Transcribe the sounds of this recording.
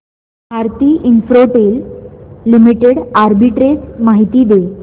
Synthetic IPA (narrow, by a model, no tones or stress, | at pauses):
bʱaɾt̪iːʔinfɾoʈeːlː | imiʈeɽaɾbiʈɾesmaɦit̪iːd̪e